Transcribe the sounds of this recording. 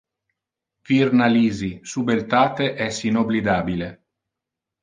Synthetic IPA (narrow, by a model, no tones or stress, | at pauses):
virnaliːzisubelt̪aːt̪eʔɛsinoblid̪aːbile